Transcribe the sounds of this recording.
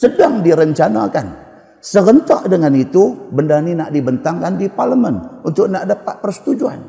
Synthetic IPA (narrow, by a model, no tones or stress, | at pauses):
sədaŋdiɾəɲt͡ʃanakan | səɡənt̪ɔʔdəŋanit̪ubəndaninaʔdibənt̪aŋkandiparləmənunt̪ʊk̚naʔdapat̪̚pərsə̥t̪ud͡ʒua̰n